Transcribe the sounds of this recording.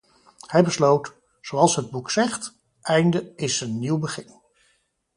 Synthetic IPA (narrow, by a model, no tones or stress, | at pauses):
hɛjbəslowt | z̥owɑlˠsɦəd̚buksɛχt | ʔɛjndəɪsənːiwbəχɪn